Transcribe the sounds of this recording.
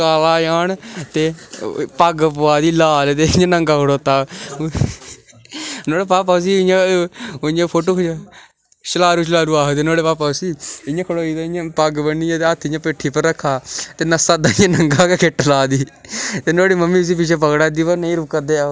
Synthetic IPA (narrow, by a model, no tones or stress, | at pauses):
aːlaːjaːnt̪eːpəɡpʊaːd̪iːlaːlt̪eːjãːnəŋɡaːkʰəɽoːt̪aː | noːɽeːpaːpaːs̬iːɪjãːojãːpʰoːʈoːkː | ʃəlaːɾuːt͡ʃ̬laːɾuːaːɦot̪eːnoːɽeːpaːpaːsiːɪjãːkʰəɽoːiːt̪aːɪjãːpəɡbəniːãt̪eət̪ʰːɪjãːpeːʈʰːiːpəɾːəkʰːaːt̪eːnəsaːd̪aːɪjãːnəŋɡaːkekʰɪʈlaːd̪iːt̪eːnoːɽiːməmːiːs̬iːp̬ɪt͡ʃeːpəkɽaːd̪iːpənəĩːɾʊkːəd̪eːa